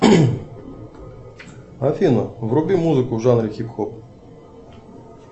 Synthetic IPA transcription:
ɐfʲinɔwrɔbʲimuzɪkʊwʐanɾʲɪxʲipxɔp̚

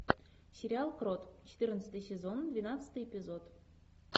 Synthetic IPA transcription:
sʲeɾʲialˠkrot̪t͡ɕɪ̥t̪ɨrnət͡s̪ə̥t̪ɨjsʲezond̪vʲinɑt̪t͡sə̥t̪ɨjepʲizot̪

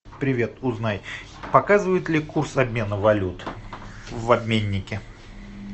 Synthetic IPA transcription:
pɾʲɪvʲe̞t̪ʊznaj | pɐkazɨvəjɪt̪lʲɪkursɐbmʲe̞nəvɐlʲut̪ | vɐbmʲenʲːɪkʲɪ

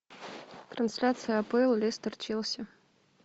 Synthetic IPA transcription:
t̪ɾɐnsʲlʲat̪sɨjəɐpɨlˠlʲist̪ɐrt͡ɕilˠsʲə

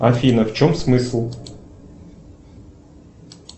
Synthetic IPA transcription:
ɐfʲinɐft͡ɕɔmsmɨslˠ

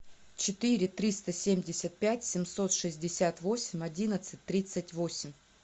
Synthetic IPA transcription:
t͡ɕɪt̪ɨɾʲɪt̪ɾʲist̪əsʲemʲdʲɪsʲət̪̚pʲætʲsʲɪmso̞t̪ʂɨzʲdʲɪsʲat̪vo̞sʲɪmʲɐdʲinət̪sɨt̚ʲt̪ːɾʲit̪sɨtʲvo̞sʲɪmʲ

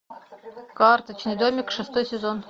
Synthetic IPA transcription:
kɑrt̪ət͡ɕnɨd̪omʲɪkʂɨst̪ojsʲezon

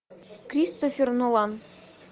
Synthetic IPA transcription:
krʲist̪ofʲernolˠɑn

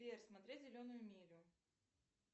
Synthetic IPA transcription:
erʲsmɐt̪ɾʲetʲzʲɪlʲonːʊjʊmʲiɾʲʊ

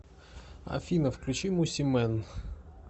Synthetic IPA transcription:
ɐ̰fʲinɐfklʲʊt͡ʃɪmʊsʲimɛn

